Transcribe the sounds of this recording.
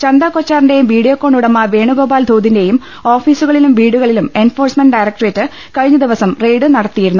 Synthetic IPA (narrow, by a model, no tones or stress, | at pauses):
t͡ɕɐnd̪akot͡ɕːaːrinde̞jumʋiːɽijoːkːoːɳɖuɽɐmːɐʋe̞ːɳuɡo̞ːbaːld̪ʱoːd̪ʱinde̞jum | o̞ːfiːsuɣɐɭilumʋiːɽuɣɐɭilume̞nfo̞ːrsmenɖɐjrɐk̚ʈreːtːɨ | kɐɻiɲːɐd̪iʋɐsɐmre̞jɖɨnɐɽɐt̪ːijiɾunːu